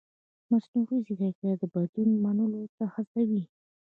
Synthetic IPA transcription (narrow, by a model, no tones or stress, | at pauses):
masnuʁiziɡakad̪əbad̪unmanəlot̪axast̪awi